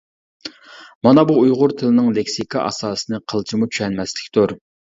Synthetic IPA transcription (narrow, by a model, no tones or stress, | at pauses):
mɑnɑbuːjʁʊɾt̪ʰɨlɨnɨŋlekʲsikʰɑʔɑ̰sɑːsɨnɨqʰəlˠt͡ʃʰimut͡ʃʰy̥ʃɛnmɛslɪkʲt̪uɾ